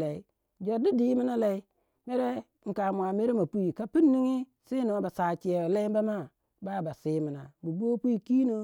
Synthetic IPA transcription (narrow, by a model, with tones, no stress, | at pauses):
la˨i˦ | d͡ʒo˨di˦di˨˦mi˦na˦la˨i˦ | me˦ɾe˦ | ŋ̩˨ka˨mu˨a˨me˦ɾe˦ma˨pu˦i˨ka˦pi˦nːi˦ŋi˦ | si˦no˨˦ba˨sa˨t͡ʃi˨a˨a˨la˦i˦ba˦ma˦˨ | ba˦˨ba˨si˦mi˨na˨bu˨bo˦pu˦i˦˨ki˦no˦